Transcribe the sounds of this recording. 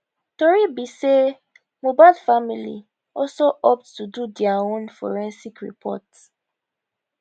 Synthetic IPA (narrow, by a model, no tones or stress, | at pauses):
toɾibise | mobalfamilḭ | ɔsoʔɔp̚ttududiaonfɔ̰ɾɛ̃nsikɾḭpʰɔ̰ts